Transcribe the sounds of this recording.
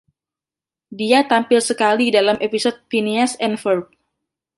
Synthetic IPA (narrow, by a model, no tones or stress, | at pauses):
diat̪ampɪlsəkalidalamʔepisot̪̚finiasɛnfərp̚